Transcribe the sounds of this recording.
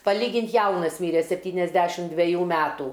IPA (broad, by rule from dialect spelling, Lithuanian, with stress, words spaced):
pɐˈlʲiːɡʲɪnt ˈjɛʊnɐs ˈmʲiːrʲɛ sʲɛpʲˈtʲiːnʲɛzʲdʲɛʃʲɪm dʲʋʲɛˈjuː ˈmʲæːˈtuː